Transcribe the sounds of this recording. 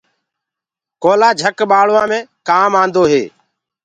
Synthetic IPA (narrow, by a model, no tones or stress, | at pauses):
koːlaːd͡ʒʱəkɓaːɭʋãːmẽːkaːmãːnd̪oːɦeː